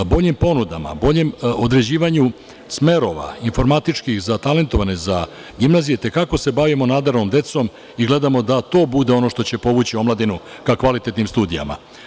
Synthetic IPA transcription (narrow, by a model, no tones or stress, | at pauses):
bo̞ʎimpo̞nud̪a̰ma̰bo̞ʎemo̞d̪ɾe̞d͡ʑiːʋaɲu | sme̞ɾo̞ʋa̰info̞ɾmat̪it͡ʂkixzat̪ale̞nt̪o̞ʋane̞za | ɡimnazijet̪e̞kako̞se̞baʋimo̞nad̪aɾno̞md̪e̞t̪so̞m | iɡle̞d̪amo̞d̪at̪o̞ːbud̪eo̞no̞ʃt̪o̞t͡ɕepo̞ʋut͡ɕio̞mlˠad̪inu | kakʋalit̪et̪nimst̪uːd̪ija̰ma̰